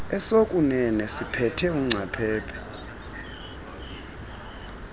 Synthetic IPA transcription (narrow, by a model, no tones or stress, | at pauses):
ɛsokʼunɛnɛsipʰɛtʰɛuŋ͡ǀʱapʰɛːpʰɛ̥